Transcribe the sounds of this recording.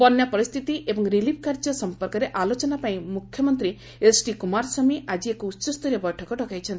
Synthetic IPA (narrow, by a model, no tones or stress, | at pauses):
pɔnjɔpɔɾist̪ʰit̪iʔebɔŋɾilip̚ʰkaɾd͡ʒɔsɔmpɔɾkɔɾeʔalot͡ʃɔnapaĩmukʰjɔmɔnt̪ɾi | esʈikumaɾsɔmiʔad͡ʒiekɔutːt͡ʃɔst̪ʰɔɾjɔbɔjʈʰɔkɔʈɔkajt͡ʃʰɔnt̪ii